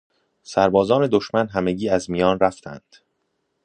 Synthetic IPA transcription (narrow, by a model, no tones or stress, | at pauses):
sæɾbɒːzɒːne̞d̪o̞ʃmænɦæme̞ɟiːæzmijɒːnɾæft̪ʰæ̰nd̪̥